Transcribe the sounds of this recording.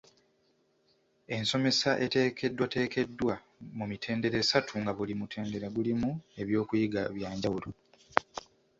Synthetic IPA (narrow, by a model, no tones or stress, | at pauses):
e̞nso̞me̞saʔe̞te̞ːkʰe̞dːwate̞ːke̞dːwa | mumitʰe̞ːnde̞ɾe̞ːsatʰuŋɡaβulimutʰe̞ːnde̞ɾaɡulimue̞βjo̞ːkujiɡaβjaːɲɟawulo